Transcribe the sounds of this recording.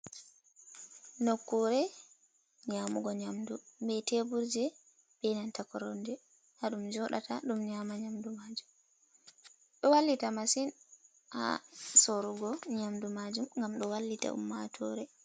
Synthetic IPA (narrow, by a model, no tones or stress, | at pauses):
nokːuɾɛ | ɲaːmuɡɔɲamdubɛtebuɾd͡ʒɛ | b̥ɛnantakɔɾɔndɛ | haɗumd͡ʒɔɗa̰tʰa̰ɗumɲaːmaɲamdumad͡ʒum | ɗɔwalːitamasin | ʔa̰soɾuɡɔɲamdumad͡ʒumŋɡamɗɔwalːita̰ʔṵmːatʰɔɾɛ